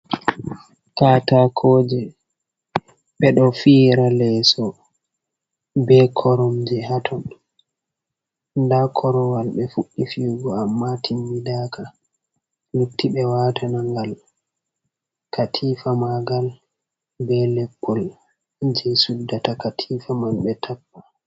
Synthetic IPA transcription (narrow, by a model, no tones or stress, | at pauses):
katakʰɔːd͡ʒɛ | ɓɛɗɔfiːɾalɛsɔ | bɛkʰɔɾɔmd͡ʒɛɦatʰɔn | ndakʰɔɾɔwalɓɛfuɗːifiɡɔamːatʰimbidaːkʰa | lutʰːiɓɛwatʰanaŋɡal | katʰiːfamaɡal | bɛlɛbːɔl | d͡ʒɛsudːatakatʰifamalɓɛtʰapːa